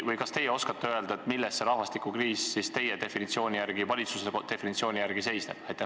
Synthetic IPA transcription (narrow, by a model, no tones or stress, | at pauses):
vɤjkɑst̪e̞jeo̞skɑt̪ːeø̞e̞ld̪ɑet̪milːɛstːe̞ɾɑhvɑst̪ikukriːsːist̪e̞jed̪e̞finit̪sio̞ːnʲijæɾɡ̥ivɑlʲit̪suset̪e̞finit̪sioːnʲijæɾɡ̥ise̞jsneb̥ɑjt̪ːˑe